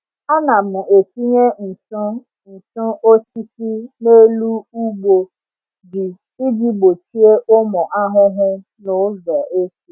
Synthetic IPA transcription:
a˦na˨mʊ˨ʔe˨ti˦ɲe˦n̩˨tʊ˦ | n̩˨tʊ˦o˦si˦si˦ne˦lu˦u˦ɡ͡bo˨ | bɪ˨ | i˦ɡi˦ɡ͡bo˨t͡ʃi˦e˦ʔʊ˦mɔ˨ʔa˦ɦʊ˦ɦʊ˦ | nʊ˨˦vɛ˨ʔe˦t͡ʃi˦

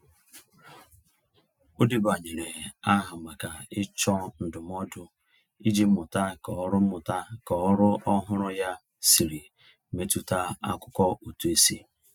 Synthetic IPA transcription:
o˦di˦ba˨ɲe˨ɾe˨a˦ɦa˨ma˨ka˨ɪ˦t͡ʃɔ˦n̩˨dʊ˨m˦ɔ˦dʊ˦ | i˦d͡ʒi˦m̩˦mʊ˨ta˦kɔ˨ɔ˦ɾʊ˦mʊ˨ta˦kɔ˨ɔ˦ɾʊ˦ʔɔ˦ɦʊ˦ɾʊ˦ja˦ | si˨ɾi˨ | me˦tu˦ta˦a̰˦kʊ̥˦kɔ˦o˨tu˦e˦si˦

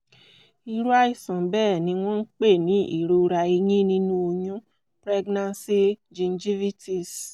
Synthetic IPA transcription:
i˧ɾu˦a˦i˦˨sã˨bɛː˦˨nĩ˧w̃ɔ̃˦n̩˦k͡pe˦˨nĩ˨˦ʔḭ˦˨ɾo˧ɾa˧e˧ɲĩ˦nĩ˦nũ˦o˧jũ˦ | pɾɛ˦ɡnã˧nsi˦d͡ʒĩ˧nd͡ʒi˦vi˦ti˨s

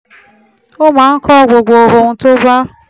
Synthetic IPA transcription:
o˦ma˨˦ŋ̩˦kɔ˦˨ɡʷo˨ɡʷo˨ɦʊ˨n̩˨to˦ba˦

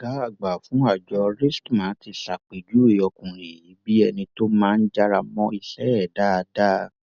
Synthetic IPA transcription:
ɡ̥a˨˦a˦˨ɡ͡ba˨fũ˨˦a˦˨d͡ʒɔ˨˧ɾi˦stmãː˨˦ti˧ɬa˨k͡pe˨d͡ʒu˨˦e˦˧˨ɔ˧kũ˨ɾe˨ji˨˦bi˦ɛ˧nĩ˧to˦mãː˦˧n̩˦d͡ʒa˦˧ɾa˧mɔ̃˧i˧ɬɛ˨˦ɛ˦˨da˦˧da˦

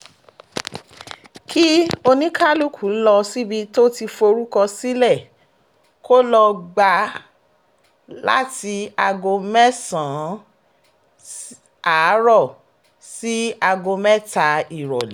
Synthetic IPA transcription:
kʰi˦o˧nĩ˦ka˦lu˦kʰu˨˦lɔ˧si˦bi˧to˦ti˧fo˧ɾu˦kɔ˧si˦lɛ˦˨ | ko˦lɔ˧ɡ͡ba˧ | la̰˦ti˧a˧ɡo˧mɛ˦sã˨˦ | a˨˦ɾɔ˦˨ | si˦a˧ɡo˧mɛ˦ta˧i˨ɾɔ̰˨li˨˦

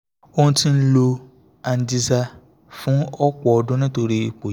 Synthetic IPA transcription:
o˦nũ˦tĩ˦n̩˦lo˧ | a˨n̩˨di˦za˦ | fʊ̃˦ɔ˦k͡pɔ˨ɔ˨dʊ̃˦nã˦to˨ɾi˦˨k͡po˨

